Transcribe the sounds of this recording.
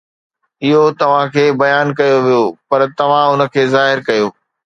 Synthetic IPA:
ɪɦot̪ɐʋ̤ãkʰeːbɐjaːnkɐjoʋijopɐɾt̪ɐʋ̤ãʊnə̆kʰeːzaːɦɪɾkɐjoː

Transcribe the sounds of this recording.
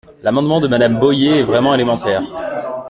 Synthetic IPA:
lamɑ̃d̪mɑ̃d̪əmad̪ambɔjeɛvʁɛmɑ̃elemɑ̃t̪ɛːʁ

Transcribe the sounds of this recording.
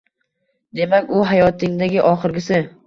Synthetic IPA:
d̪e̞makʲʊɦajɒt̪ʰɪŋd̪aɡʲɪʔɒχɨɾɡʲɪsɪ

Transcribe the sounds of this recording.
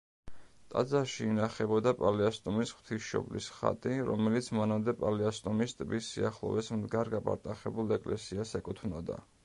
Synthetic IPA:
t̪ʼad̪zaʃiːnaχɛbɔd̪apʼalɛast̪ʼɔmisχw̥t̪ʰisʃɔ̰blḭsχa̰t̪ʼiɾɔ̰mɛlit̪sʰmanamd̪ɛpʼalɛast̪ʼɔmist̪ʼbisːiaχlˠɔ̰vɛsmd̪ɡaɾɡapʼa̰ɾt̪ʼaχɛbulˠɛkʼlɛsiasɛkʼut̪ʰvnɔd̪a̰

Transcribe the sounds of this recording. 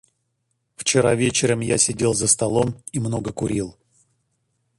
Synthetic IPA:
ft͡ɕɪɾa̰vʲet͡ɕɪɾəmja̰sʲɪdʲe̞lˠzəst̪ɐlˠomimno̞ɡəkʊɾʲilˠ

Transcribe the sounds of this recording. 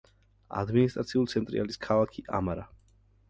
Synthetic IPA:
a̰d̪minist̪ʼɾat̪sʰiulit̪sʰɛnt̪ʼɾḭaliskʰalˠakʰiʔamaɾa

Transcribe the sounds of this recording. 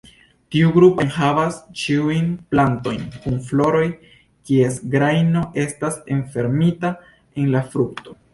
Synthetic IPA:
tiuɡɾupenhavast͡ʃiujnplanto̞jnkunflo̞ɾo̞j | kie̞sɡɾajno̞ʔe̞stase̞nfe̞ɾmita | e̞nlafɾuk̚to̞

